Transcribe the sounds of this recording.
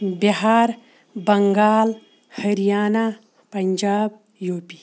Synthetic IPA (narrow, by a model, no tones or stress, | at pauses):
biɦaːɾ | bɐŋɡaːl | hɐɾijaːna | pɐɲd͡ʒaːb̚ | joːpi